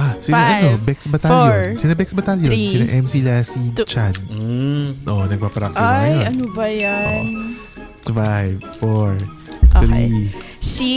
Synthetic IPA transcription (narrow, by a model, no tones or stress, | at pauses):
ʔasɪnaʔɐnobɛksbɐt̪aljonsɪnɐbɛksbɐt̪aljonsɪnɐ̰ʔɛmsilasit͡ʃad̪̚ | ʔoʔnɐɡ̚papɾak̚t̪ɪnɐjonɐnobɐjao̰ʔn | t̪fajvfoɹ | t̪ɾi